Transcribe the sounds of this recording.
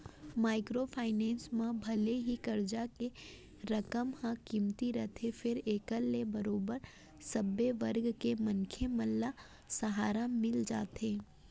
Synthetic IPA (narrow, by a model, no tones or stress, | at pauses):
maːɪkɾofʰaːɪnɛ̃ːnsmãbʱɐleɦikɐɾd͡ʒake | ɾɐkəmhãkiːmt̪iɾɐt̪ʰefʰɪɾeːkəlːebɐɾoːbəɾ | sɐbːeʋɐɾɡkemɐnkʰemɐlːa | sɐɦaːɾamɪld͡ʒa̰ːt̪eː